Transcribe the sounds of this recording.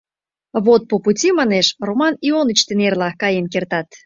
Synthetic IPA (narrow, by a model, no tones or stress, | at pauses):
βot̪̚poputʲimɑneʃromɑnionət͡ɕt̪enerlɑkɑjenkert̪ɑt̪